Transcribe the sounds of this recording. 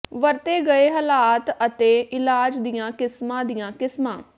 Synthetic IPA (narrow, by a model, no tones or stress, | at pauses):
ʋəɾt̪eːɡəeːɦəlaːt̪ət̪eːʔɪlaːd͡ʒd̪ɪjãːkɪsmãːd̪ɪjãːkɪsmãː